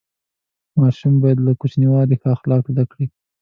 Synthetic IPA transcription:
mɑʃumbɑjad̪lakut͡ʃniwɑɾixɑxlɑkzd̪akɽi

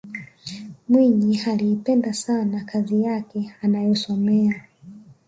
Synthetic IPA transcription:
mwiɲihaliːpɛndasanakʰazijakɛanajɔsɔmɛa

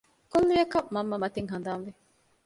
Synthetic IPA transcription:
kolːujɐkɐmɐmːɐmɐt̪iŋɦɐnd̪aːnʋe

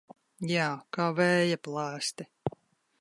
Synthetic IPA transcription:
jaːkaːvɛːjaplˠaːst̪i

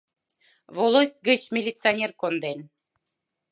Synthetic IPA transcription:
volˠosʲt̪̚ʲɡə̆t͡ɕmʲilʲit̪t͡sɨonʲerkond̪en

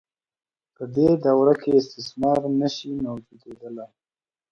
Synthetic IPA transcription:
pəd̪ed̪awɾakʰeɪst̪ɪsmɑɾnəʃimawd͡ʒud̪ed̪əla

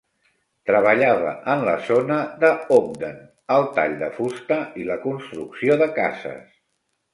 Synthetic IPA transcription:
t̪ɾəβ̞əʎaβə̰ʔənləzonəðəɔm̚d̪ən | əlˠt̪a̰ʎd̪əfust̪əiləkunst̪ɾuksioðəka̰zə̰s

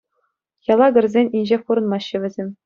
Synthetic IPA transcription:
jɑlˠɑɡʲɘ̆rʲzʲenʲinʲʑepuɾɤ̆nmɑɕːɘ̆ʋʲɘ̆zʲemʲ

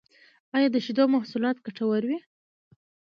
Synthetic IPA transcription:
ɑjɑd̪əʃid̪omahsulɑt̪̚ɡaʈawaɾwi

